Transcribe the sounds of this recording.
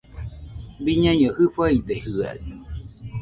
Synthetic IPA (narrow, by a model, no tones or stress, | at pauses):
biɲãɲohɨfaid̪ehɯa̰